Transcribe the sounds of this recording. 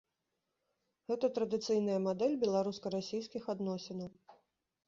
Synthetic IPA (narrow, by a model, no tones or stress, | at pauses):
ɣɛt̪ɐt̪ɾɐd̪ɨt̪sɨjn̪ɐjɐmad̪ɛlʲbʲɛlˠaɾuskɐɾasʲijskʲixad̪nɔsʲɛnɐw